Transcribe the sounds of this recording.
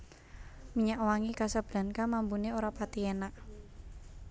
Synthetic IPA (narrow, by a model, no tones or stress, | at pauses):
miɲaʔwaŋikasab̥la̤nkamampuneoɾapat̪ienaʔ